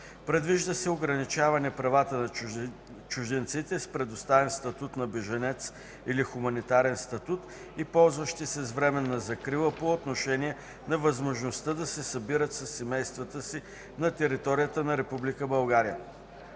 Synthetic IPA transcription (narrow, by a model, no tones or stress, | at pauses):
pɾɛd̪viʒd̪əsɛoɡɾɐnit͡ʃavɐnɛpɾɐvat̪ənɐ | t͡ʃʊʒd̪ɛnt̪sit̪ɛspɾɛd̪ost̪avɛnst̪ɐt̪ut̪nɐbɛʒɐnɛt̪s | ilixʊmɐnit̪aɾɛnst̪ɐt̪ut̪ | ipɔlˠzvəʃt̪isɛzvɾɛmɛnːɐzɐkɾilˠəpoot̪noʃɛnijɛ | nɐvɐzmoʒnost̪əd̪ɐsɛsɐbiɾət̪sɐsːɛmɛjst̪vət̪əsi | nɐt̪ɛɾit̪ɔɾijət̪ənɐɾɛpublikəbɐlˠɡaɾijə